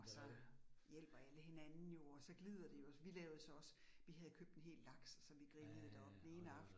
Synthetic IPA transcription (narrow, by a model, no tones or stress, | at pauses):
ɒsɒ̽jel̰b̥ɐæləɦenænn̩jo̝ɒsɒ̽ɡ̥lið̞̰ˠɐd̥e̝jo̝sʋilɛːʊð̩ˠəsɒ̽ɒ̽s | ʋiɦæð̞̩ˠkʰøb̥d̥enɦe̝̰ːlːɑ̈ɡ̥ssɒ̽ʋiɡ̥ʁibəð̩ˠd̥æɒ̽b̥̚d̥en̩e̝ːnəɑ̈fd̥n̩